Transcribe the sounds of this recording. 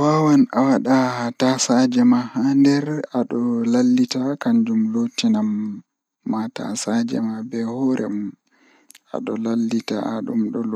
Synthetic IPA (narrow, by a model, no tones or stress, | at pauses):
wawanawaɗatasad͡ʒɛmahandɛɾaɗɔlalːitakaɲd͡ʒumlotːinamː | ata̰sad͡ʒɛ̰mabɛhɔɾɛ̰mum | a̰ɗɔlalːita̰aɗumɗɔl